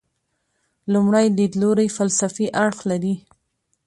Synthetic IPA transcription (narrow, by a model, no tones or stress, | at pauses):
lʊmɽajlid̪loɾajfalsafiʔaɽxlaɾi